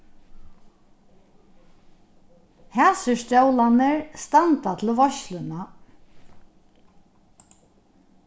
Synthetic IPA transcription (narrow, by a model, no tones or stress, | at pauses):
hæːsəst̪jœwlanəɹst̪ant̪at̪ʰɪlʋɔʃlʏna